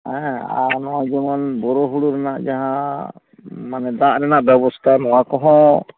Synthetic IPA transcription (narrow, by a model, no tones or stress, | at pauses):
ɛa̰nɔwad͡ʒɔŋɔnbɔɾɔɦuɽuɾɛnaʔd͡ʒaɦã | manɛd̪aʔɾɛnaʔbɛbɔst̪ʰanɔakɔɦɔ̃